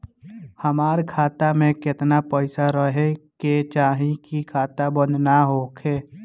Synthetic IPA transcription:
həmaːɾkʰaːt̪amẽkɪt̪napəɪsaɾəɦeket͡ʃaːɦĩkikʰaːt̪abə̃nd̪naɦoːkʰeː

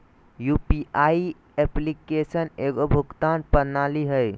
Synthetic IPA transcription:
jupiʔai | eplikesəneɡobʱuɡt̪anpənaliɦəj

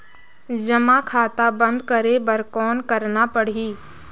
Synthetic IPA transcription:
d͡ʒɐmakʰaːt̪abɐ̃nd̪kɐɾebɐɾkɔːnkɐɾnapɐɽ̤iː

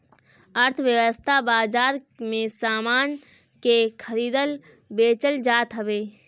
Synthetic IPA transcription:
əɾt̪ʰʋjəʋəst̪ʰabaːzaːɾ | mẽsaːmaːn | kekʰəɾiːd̪əl | beːt͡ʃəld͡ʒaːt̪ɦəbeː

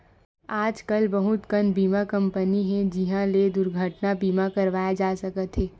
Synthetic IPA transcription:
aːd͡ʒkɐlbɐɦʊt̪kənbiːmakɐ̃mpəniɦɛ̃d͡ʒɪɦãled̪ʊɾɡʱəʈnabiːmakɐɾʋaːjad͡ʒaːsɐkət̪ɦɛː

